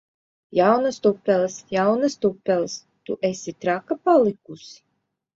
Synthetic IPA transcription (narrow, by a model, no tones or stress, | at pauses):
jawnast̪upʲːɛlˠɨsjawnɨst̪upʲːɛlˠs | t̪uʔesʲit̪ɾakapalˠikusi